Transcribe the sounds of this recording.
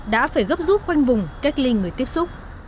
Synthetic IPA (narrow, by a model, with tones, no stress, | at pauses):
ɗa̰ː˧˥faː˧˩jɣə˦˥p̚zu˦˥p̚kwa˧jŋ̟vʊ˨˩ŋ͡mka˦˥k̚li˧ŋɨ˨˩əjt̪i˦˥əp̚sʊ˦˥k͡p̚